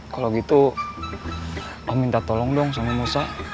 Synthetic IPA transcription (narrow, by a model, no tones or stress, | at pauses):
kaloɡit̪u | amint̪at̪ɔlɔŋdɔŋsamimusa